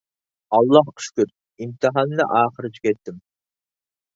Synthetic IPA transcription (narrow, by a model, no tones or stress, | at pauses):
ɑlˠːɑhqʰy̥ʃkʲyɾ | imt̪ʰɨɦɑnːɨ̰ʔɑːχəɾɨt͡ʃʰi̥kʲɛt̪ːɪm